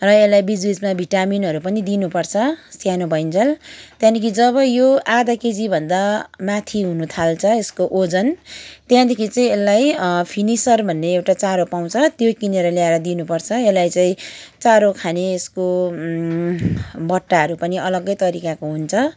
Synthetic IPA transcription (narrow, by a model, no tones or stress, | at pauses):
rʌelːajbid͡zwid͡zmabʱiʈaminɦʌɾupʌnid̪inupʌrt͡sʰʌsjanobʱʌint͡sʰʌlt̪jãd̪ekʰid͡zʌβʌjoʔad̪aked͡zibʱʌnd̪amat̪ʰiɦunut̪ʰalt͡sʰʌeskoʔod͡zʌnt̪jãd̪ekʰit͡saĩelːajpʰinisʌrbʱʌnːeewʈat͡saɾopaw̃t͡sʰʌt̪jokineɾʌljaeɾʌd̪inupʌrt͡sʰʌelajt͡saĩt͡saɾokʰaneːsko | bʌʈːaɦʌɾupʌniʌlʌɡʌjt̪ʌɾikakoɦunt͡sʰʌ